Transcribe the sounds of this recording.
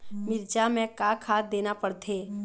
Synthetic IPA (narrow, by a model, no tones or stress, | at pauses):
mɪɾd͡ʒamɛ̃kakʰaːd̪eːnapəɽt̪ʰeː